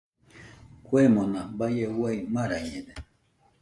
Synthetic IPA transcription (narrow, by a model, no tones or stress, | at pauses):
kwemõnabajewaimaɾaɲẽde